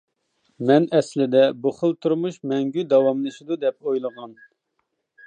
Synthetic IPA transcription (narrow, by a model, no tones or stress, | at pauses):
mɛnɛslɪd̪ɛbuχəlˠt̪ʰuɾmuʃmɛŋɡʲyd̪ɑwɑmlˠɨʃid̪ud̪ɛp̚ojlˠəʁɑn